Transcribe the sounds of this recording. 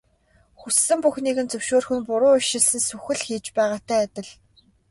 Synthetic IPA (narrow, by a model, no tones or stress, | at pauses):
xusːɘ̆mpuxniɣɘ̆nt͡sɵwʃoːrxɵ̆npʊɾʊːʊʃɪ̆ɮsɘ̆nsɵxɘ̆ɮxiːt͡ɕpæːʁaːt̪æːt̪ʲɪ̆ɮ